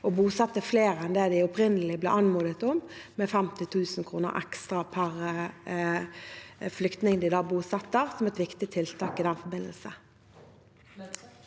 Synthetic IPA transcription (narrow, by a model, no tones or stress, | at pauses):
ɔbuːsɑt̪ːəfleːʁɛnd̪ed̪ɪʊpʁɪnːəlɪblɛ̰ːʔɑnmuːd̪ət̪ʊmmɛfɛmt̪ɪt̪ʰʉːsnkʰʁuːnə̰ʁʔɛ̰kst̪ʁɑpʰæʁ | flʏkt̪nɪŋd̪ɪd̪ɑːbuːsɑt̪ːəʁsɔmɛt̪ʋɪkt̪ɪt̪ʰɪlt̪ʰɑːkɪd̪ɛnfɔbɪnə̰lsə